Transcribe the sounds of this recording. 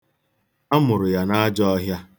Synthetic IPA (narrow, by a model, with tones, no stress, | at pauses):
a˦mʊ˨ɾʊ˨ja˨na˦d͡ʒɔ˦ɔ˦ɦja˦